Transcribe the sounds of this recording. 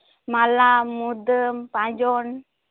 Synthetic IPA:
malamud̪əmpãd͡ʒɔn

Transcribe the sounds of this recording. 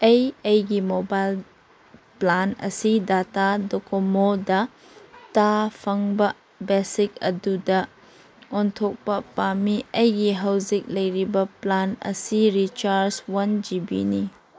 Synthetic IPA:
ejejɡimobajl | planɐ̰sidatadɔkomodɐ | tapʰaŋbɐ | besik̚ɐdudɐ | ɔntʰɔk̚pɐpamiɐjɡiɦɐwzik̚lɐjɾibɐplanɐ̰siɾit͡ʃaɾswɐnd͡ʒibḭni

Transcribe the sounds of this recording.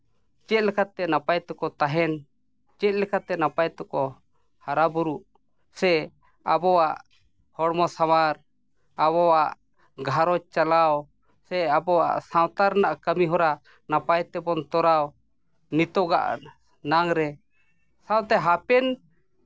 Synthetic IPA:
t͡ʃɛt̪̚lɛkʰat̪ɛnapajt̪ɔkɔt̪aɦɛn | t͡ʃɛt̪̚ˀlɛkʰat̪ɛnapajt̪ɔkɔ | haɾabuɾuʔ | sɛ | abɔwaʔ | hɔɽmɔsamaɾ | abɔwaʔ | ɡʱaɾɔt͡ʃalaw | sɛabɔwa̰ʔsawt̪aɾnaʔkəmiɦɔɾa | napajt̪ɛbɔnt̪ɔɾaw | nit̪ɔɡa̰ʔ | naŋɾɛ | sawt̪ɛɦapɛn

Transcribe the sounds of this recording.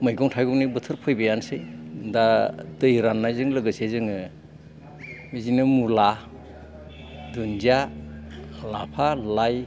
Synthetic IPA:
mɯjɡɔŋtʰajɡɔnibɯtʰɯɾpʰɯjbajansejdadɯjɾanːajzɯŋlɯɡɯsezɯŋɯ | mizinɯmula | dunzia | la̰pʰalaj

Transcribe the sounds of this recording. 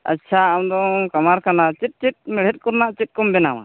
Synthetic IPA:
a̰tːt͡ʃʰaamd̪ɔkamaɾkanat͡ʃit̪̚t͡ʃit̪̚ˀmɛɽ̤ɛt̪̚ˀkɔɾnaʔt͡ʃit̪̚kɔmbɛnawa̰

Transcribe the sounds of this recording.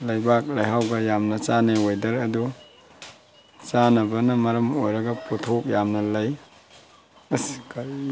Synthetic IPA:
lɐjbak̚lɐjɦawɡɐjamnɐt͡ʃanewojdɐɾɐdu | t͡ʃanɐbɐnɐmɐɾɐmojɾɐɡɐputʰok̚jamnɐlɐj | ɐsi̥k

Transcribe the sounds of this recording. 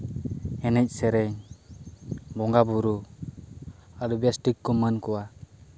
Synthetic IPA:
ɛnɛc̚ˀsɛɾɛɲ | bɔŋɡabuɾu | aɾubijasʈikːɔmənkɔwa

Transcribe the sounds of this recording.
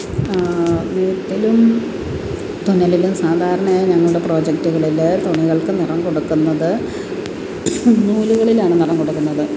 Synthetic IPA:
neːʈːilum | t̪onɐlilumsaːd̪ʱaːɾɐɳɐmajiɲɐŋːɐɭuɽe̞pro̞ːd͡ʑektuɣɐɭilt̪oɳiɣɐɭkɨnirɐmko̞ɽukːunːɐðɨ | nuːluɣɐɭilaːɳɨnirɐmkoɽukːunːɐðɨ

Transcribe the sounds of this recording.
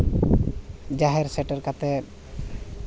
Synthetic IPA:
d͡ʒaɦeɾsɛʈaɾkat̪ɛ

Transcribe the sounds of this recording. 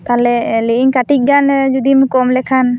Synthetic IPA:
t̪alɛliʔiŋkaʈic̚ɡand͡ʒud̪imkɔmlɛkʰan

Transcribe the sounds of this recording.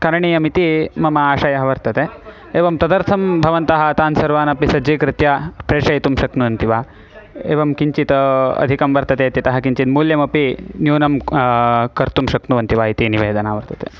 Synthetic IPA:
kɐɾɐɳijɐmit̪imɐmɐaːʃɐjɐɦɐʋɐɾt̪ɐt̪e | eːʋɐmt̪ɐd̪ɐɾt̪ʰɐmbʱɐʋɐnt̪ɐɦɐɐt̪aːnsɐɾʋaːnɐpisɐd͡ʒiːkɾɪt̪japɾeːʂɐjt̪umʃɐknuʋɐnt̪iʋaː | ḛːʋɐmkiɲt͡ʃit̪ɐɐ̰d̪ʱikɐmʋɐɾt̪ɐt̪eːt̪jɐt̪ɐɦɐkiɲt͡ʃit̪muːljɐmɐpinjuːnɐm | kɐɾt̪umʃɐknuʋɐnt̪iʋaːit̪iniʋeːd̪ʱɐnaːʋɐɾt̪ɐt̪ḛ

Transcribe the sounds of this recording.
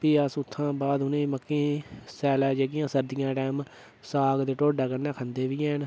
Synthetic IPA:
piːəsʊt̪ʰːãːbaːd̪ʊnẽːməkːẽːsɛːlɛːd͡ʒeːɡɪjãːsəɾd̪ɪjãːʈɛːm | saːɡd̪eːʈoːɖaːkənːãːkʰə̃nd̪eːʋiːɛːɦn

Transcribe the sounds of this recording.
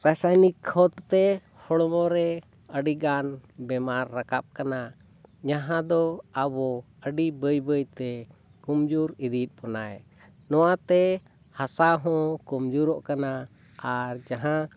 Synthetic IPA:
ɾasajnikʰːɔt̪t̪ɛ | hɔɽɔmɔɾɛ | əɖiɡanbɛmaɾːakap̚kana | ɲaɦãd̪ɔabɔ | əɖibəjbəjt̪ɛ | kumd͡ʒuɾid̪it̪̚ˀpɔnaj | nɔwat̪ɛ | hasaɦɔ̃kumd͡ʒuɾɔʔkana | aɾd͡ʒaɦã

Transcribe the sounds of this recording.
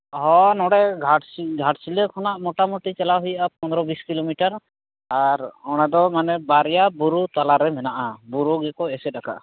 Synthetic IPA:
ɦɔ̃nɔɽɛɡʱaʈsiɡʱaʈsilɛkʰɔnaʔmɔʈamɔʈit͡ʃɛlaɦujaʔapɔnd̪ɾɔbiskilomiʈaɾ | aɾɔɽ̃ad̪ɔmanɛbaɾjabuɾut̪alaɾɛmɛnaʔabuɾuɡɛkɔɛsɛɗaka̰ʔ

